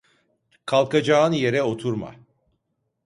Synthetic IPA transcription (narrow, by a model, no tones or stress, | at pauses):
kʰalˠkad͡ʒaːɯnje̞ɾɛo̞t̪ʰuɾma̰